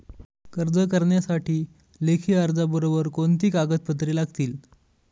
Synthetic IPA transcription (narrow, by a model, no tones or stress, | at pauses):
kəɾd͡zəkəɾɳjasaʈʰiː | lekʰiːaɾd͡zabəɾobəɾkont̪iːkaɡət̪̚pət̪̬ɾiːlaɡt̪iːl